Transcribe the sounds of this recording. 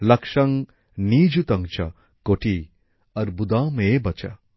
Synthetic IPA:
lɐkʂɐŋ | niːd͡ʒut̪ɐŋt͡ʃʰɐ̰ | koʈi | ɐɾbud̪aːmebɐt͡ʃɐ̰

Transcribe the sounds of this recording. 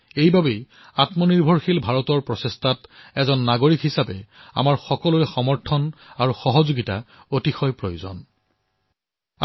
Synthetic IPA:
ejbabej | atmɔniɹbʱɔɹxilbʱaɹɔtɔɹpɹɔsestʰatɛzɔnːaɡoɹikɦisapɛa̰maɹxɔkɔlojxɔmɔɹtʰɔnaɹuxɔɦɔzoɡita̰ | otixɔjpɹojuzɔ̰n

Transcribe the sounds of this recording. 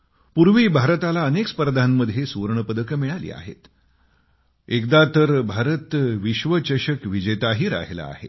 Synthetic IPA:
puɾʋiːbʱaɾət̪alaənekspəɾd̪ʱanːəd̪ʱjesuɾɳəpəd̪əkmiɭalḭːa̰ɦḛt̪ | ekd̪at̪əɾbʱaɾət̪ʋiɕʋət͡ɕəɕəkʋid͡ʑəjt̪aɦiːɾa̰ɦela̰ːɦḛ

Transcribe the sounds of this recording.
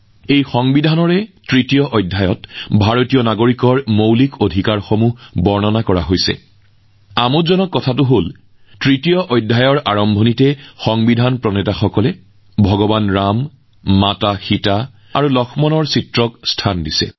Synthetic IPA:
ejxɔŋbidʱanɔɹɛtɹitijɔʔɔjdʱːajɔtbʱaɹotijɔnaɡoɹikɔɹmowlikʰodʱikaɹxomubɔɹnɔnakɔɹaɦojsɛ̰ | amotzɔnɔkːɔtʰatʊɦol | tɹitijɔʔɔjdʱajɔɹʔaɹɔmbʱonitɛxɔŋbidʱanpɹɔnɛtaxɔkɔlɛ | bʱɔɡɔbanɹamː | ataxita | a̰ɹulɔkʰmɔnɔɹsitɹɔkstʰandisɛ̰

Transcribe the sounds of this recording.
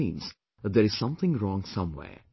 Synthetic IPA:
ḭ̃nz̥ | ðəɹɨz̥sʌ̃mθɪ̃ŋɹɔ̃ŋsʌ̃mwɛ̰ː

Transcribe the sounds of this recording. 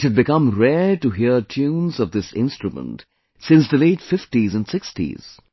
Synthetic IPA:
ɨd̚bɪkʌ̃mɾɛʈuɦiətʰjũːnzʌvd̪ɪsɪ̰̃nstɹɨmə̰̃nt | sɪ̃nsd̪əleɪtfɪftizə̃nsɪkstḭz̥

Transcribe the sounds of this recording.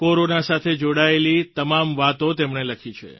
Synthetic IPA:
koɾonasat̪ʰed͡ʒoɽaelit̪əmamʋat̪ot̪emɳeləkʰit͡ʃʰḛ

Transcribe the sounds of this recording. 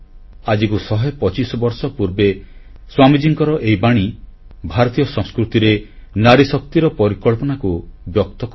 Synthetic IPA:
ad͡ʒikusɔɦepɔt͡ʃisɔbɔɾsɔpuɾbeswamid͡ʒiŋkɔɾɔʔejbaɽ̃i | bʱaɾɔt̪ijɔsɔ̃ŋ̃skɾut̪iɾenaɾisɔk̚t̪iɾɔpɔɾikɔɭpɔnakubjɔk̚t̪ɔk

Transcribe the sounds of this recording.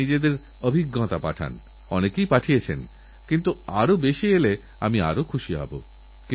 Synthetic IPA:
id͡ʑed̪eɾ | obʱiɡːɔt̪apa̰ʈʰa̰n | ɔnekejpaʈʰiet͡ɕʰen | kint̪uaɾobeʃiele | a̰mia̰ɾokʰuʃiɦɔ̰bo̰ | k

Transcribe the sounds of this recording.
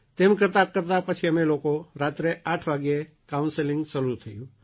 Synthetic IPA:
t̪emkəɾt̪akəɾt̪apət͡ʃʰiəmelokoɾat̪ɾeʔaʈʰʋaɡje | kaunselɪ̃ŋɡsəlut̪ʰəjũ

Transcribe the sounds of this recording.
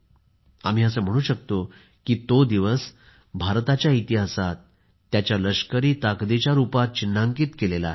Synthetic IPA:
a̰m̤iːəsəːm̤əɽ̃uːɕək̚t̪o | kiːt̪od̪iʋəs | bʱaɾt̪at͡ɕjait̪iɦasat̪ː | jat͡ɕjaləɕkəɾiːt̪akd̪et͡ɕjaɾupat̪̚t͡ɕinːaŋkiːt̪kelela̰

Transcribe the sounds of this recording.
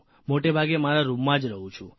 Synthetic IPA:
moʈebʱaɡemaɾaɾumːãd͡ʒɾəɦũt͡ʃʰṵ̃

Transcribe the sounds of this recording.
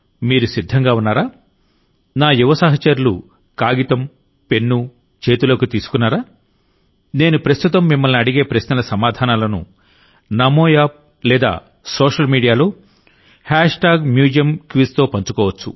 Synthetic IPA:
miːɾusid̪ʱːɐŋɡaːunːaːɾaː | naːjuʋɐsɐɦɐt͡ʃɐɾulṵ | kaːɡit̪ɐm | pe̞nːu | t͡ʃe̞ːt̪ulɐkut̪iːsu̥kunːaːɾaː | ne̞ːnupɾɐst̪ut̪ɐmːimːɐlniɐɽiɡe̞ːpɾɐʃnɐlɐsɐmaːd̪ʱaːnaːlɐnṵ | nɐmoːjaːp̚ | lɛːd̪a̰ː | soːʂɐlmiːɖijaːloː | haːʂʈaːɡmjuːd͡ʒijɐmkʋist̪o̞ːpɐɲt͡ʃukɔːʋɐt͡ʃːṵ

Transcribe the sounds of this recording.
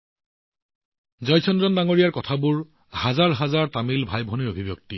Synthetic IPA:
zɔjsʰɔndɔndaŋoɹijaɹkɔtʰabuɹ | hazaɹɦazaɹtamilbʱajbʱoniɹobʱibjɔk̚ti

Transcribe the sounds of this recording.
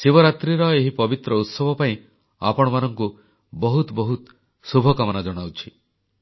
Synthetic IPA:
siβɔɾat̪ɾiɾɔeɦipɔbit̪ɾɔut̪sɔbʱɔpaĩ | a̰pɔɽ̃ɔmanɔŋku | bɔɦut̪bɔɦut̪ | subʱɔkamɔnad͡ʒɔɽ̃awt͡ʃʰi

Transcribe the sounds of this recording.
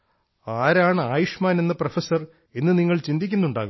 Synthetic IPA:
aːɾaːɳɨaːjuʂmaːne̞nːɐprɐfɐsɐr | e̞nːɨniŋːɐɭt͡ɕind̪ikʲːunːuɳɖaːɣum

